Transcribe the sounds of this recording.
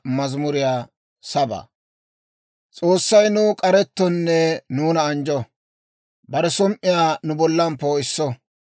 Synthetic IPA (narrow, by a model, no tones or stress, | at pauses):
mɐzmʊɾɪjaː | sɐba̰ː | t͡sʼo̞ːsːɐjnʊkʼɐɾɛt̪ːɔnːɛnuːnɐːnd͡ʒɔ | bɐɾɛsɔmʔɪjaːnʊbɔlːɐmpːoːɪsːɔ